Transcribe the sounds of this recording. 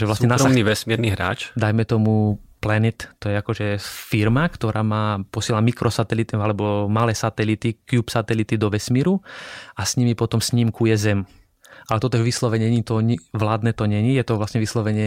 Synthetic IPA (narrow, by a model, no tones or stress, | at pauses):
ʒɛʋlasɲɛnaɾɔmniʋɛsmiɾniɦɾa̰ːt͡ʃd̪ajmɛt̪ɔmuplɛnit̪t̪ːɔjɛakɔʒɛfiɾmakt̪ɔɾʔaːmaːpɔsɪɛlamikɾʔɔsat̪ɛlit̪ialɛbɔmalɛːsat̪ɛlit̪ikjupsat̪ɛlit̪id̪ɔʋɛsmiːɾuasɲimipɔt̪ɔmsɲimkujɛzɛm | ʔalɛt̪ɔt̪ɔɛʋislɔʋɛɲɛɲit̪ɔɲiʋlaːd̪nɛt̪ɔɲɛɲijɛt̪ɔʋlasɲɛʋislɔʋɛɲɪɛ